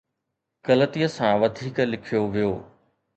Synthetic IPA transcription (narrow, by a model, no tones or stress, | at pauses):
kɐlət̪ijəsãʋɐd̪ʱiːklɪkʰijoʋijoː